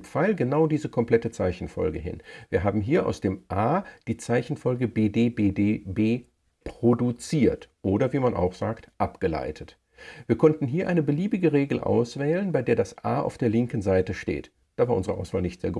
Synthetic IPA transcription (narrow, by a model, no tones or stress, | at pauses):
faɪlɡənaʊdiːzəkʰɔmpl̥ɛtət͡saɪçn̩fɔ̰lɡəɦɪ̰nviːɐɦaːbm̩ɦiːɐʔa̰ʊsd̥eːmʔaːd̥iːt͡saɪçn̩fɔlɡəbeːdeːbeːdeːbeː | pʁ̥odut͡siːɐtʔoːdɐviːmanʔa̰ʊxz̥aːktʔapɡ̥əla̰ɪtʰət | v̥iːɐkʰɔntn̩ɦiːɐʔaɪnəbəliːbɪɡəʁeːɡl̩ʔa̰ʊsv̥ɛːlənbaɪdeːɐdasʔaːʔa̰ʊfd̥eːɐlɪŋkn̩zaɪtəʃtḛːt | d̥aːvaːɐʊnzəʁəʔa̰ʊsv̥aːlnɪçtz̥eːɐɡ